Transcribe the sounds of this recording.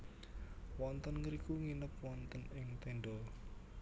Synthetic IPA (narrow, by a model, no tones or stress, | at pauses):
wɔnt̪ənŋəɾikuŋinəpwɔnt̪ənɪŋt̪eɳɖɔ